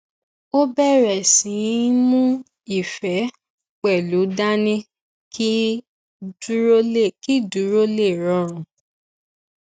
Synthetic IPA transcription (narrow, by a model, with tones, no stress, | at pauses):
o˦bɛ˦˨ɾɛ˨sĩ˨˦mũ˦ | i˨fɛ˨˦ | k͡pɛ˨lu˨˦da˦nĩ˦ | ki˦ | du˦ɾo˦le˦˨ki˦du˨˦ɾo˦le˦˨ɾɔ̃˦˨ɾ̃ũ˨˦